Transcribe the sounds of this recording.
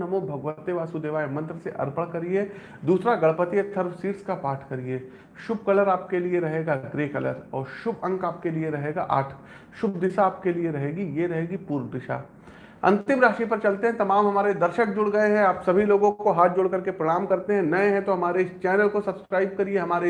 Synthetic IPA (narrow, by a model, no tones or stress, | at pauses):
nɐmõbʱɐɡʋət̪eʋaːsud̪eːʋaːemɐ̃nt̪ɾəseʔɐ̰ɾpəɽkɐɾie | d̪uːsɾaɡɐɭpət̪iət̪ʰɐɾʋsiːʈskapaːɾʈʰkɐɾieː | ʃʊb̚kɐləɾaːp̚kelieɾɐɦeːɡaɡɾeːkɐlə̰ɾɔːɾʃʊbɐ̃ŋkaːp̚kelieɾɐɦeːɡa̰ʔa̰ːʈʰə̥k | ʃʊbd̪ɪsaːp̚kelieɾɐɦeːɡijeɾɐɦeːɡipuːɾʋd̪ɪʃa̰ː | ɐ̰̃nt̪ɪ̃mɾaːʃipɐɾt͡ʃɐlt̪ẽɦɛ̃t̪ɐmaːmɦɐmaːɾed̪ɐɾʃək̚d͡ʒʊɽɡɐeɦɛ̃aːpsɐbʱiloːɡõkoɦaːt̪̚ʰd͡ʒʊɽkɐɾkepɾɐɽ̃aːmkɐɾt̪eɦɛ̃nɐẽɦɛ̃t̪oɦɐmaːɾeɪst͡ʃɛːnəlkosɐbskɾaːɪb̚kɐɾieɦɐmaːɾe